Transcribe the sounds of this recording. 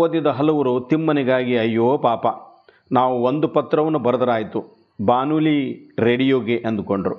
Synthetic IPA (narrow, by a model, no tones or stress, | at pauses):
oːd̪jɐd̪ɐɦɐlɐʋuɾut̪imːɐniɡaːɡiɐjːoːpaːpɐ | naːʋuond̪upɐt̪ːɾɐʋɐnːubɐɾɐd̪ɐɾaːjit̪u | baːnuːliɾeɽijoːɡeʔɐnd̪ukoɳɖɐɾu